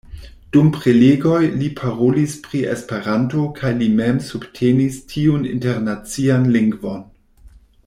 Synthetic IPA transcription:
d̥umpɾeleɡo̞jlipʰaɾolispɾiḛspe̞ɾantokʰajlimemsubtʰenistʰiunḭnteɾnat͡sianliŋɡvon

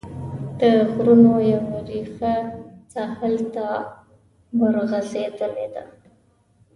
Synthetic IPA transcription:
d̪̥əɣɾunojawaɾixat͡sɑhəlt̪a | bəɾɣazed̪əled̪a̰

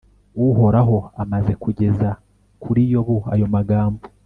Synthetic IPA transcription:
uɦo̞ɾaɦo̞amaze̞kuɟe̞za | kʰuɾijo̞βuajo̞maɡaːmbo

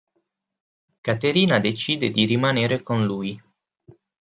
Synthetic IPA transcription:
kat̪eɾiːnad̪et͡ʃiːd̪ed̪iɾimaneːɾekonluːj

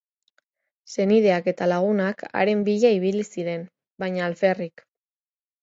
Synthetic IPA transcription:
se̞niðe̞ake̞t̪alaɣ̞unaka̰ɾe̞mbiʎaiβ̞ilisiɾe̞n | baɲaːlfe̞rik

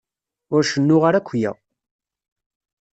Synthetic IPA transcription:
ʊɾʃənːʊʁaɾækʷːjæ̰

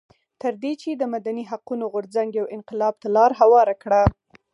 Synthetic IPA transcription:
t̪əɾd̪et͡ʃed̪əmad̪aniɦaqunoɣʊɾzaŋɡjawɪnqɪlɑb̚t̪alɑɾɦawɑɾakɽa

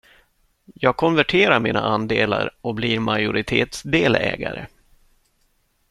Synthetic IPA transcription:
jɑːɡ̚kʰɔnvæʈʰeːɾaɾmiːnaʔand̪eːlaɾʔɔkbliːɾmajʊɾɪt̪ʰeːt̪sd̪eːlɛːɡaɾə

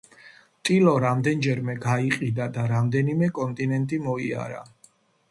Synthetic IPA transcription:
t̪ʼilɔɾamd̪ɛnd͡ʒɛɾmɛɡaiqʼid̪ad̪aɾamd̪ɛnimɛkʼɔnt̪ʼinɛnt̪ʼimɔia̰ɾa̰

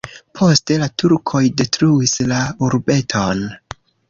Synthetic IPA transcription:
pʰo̞ste̞latuɾkʰo̞jde̞tɾuislauɾbe̞tʰo̞n

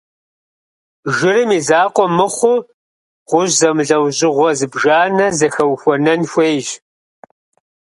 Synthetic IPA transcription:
ʒɪrɨmiːzaːqʷɔmɨχʷʊ | ʁʷʊʑzɐmɮɐwʑʼɪʁʷɔzɨbʒaːnɐzɐxɐwxʷɔnɐnxʷeːjʒ

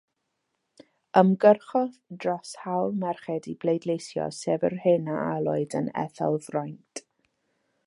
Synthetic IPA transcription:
əmɡərχɔθd̥rɔshawlˠmɛrχɛdiblejdlˠejsjɔ̰sɛvərhɪnaʔalˠɔɨdə̰nɛ̰θa̰lˠvrɔjntʰʼ

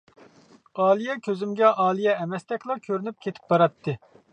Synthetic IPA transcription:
ɑːlˠijɛkʲʰøzymɡʲɛʔɑːlˠijɛːmɛst̪ɛkʲlˠɑkʲʰøɾynyp̚kʲʰet̪ʰɪ̥p̚bɑɾɑt̪ʰːɨ

